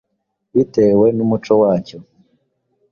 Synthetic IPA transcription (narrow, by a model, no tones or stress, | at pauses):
itewenumut͡ʃowaːco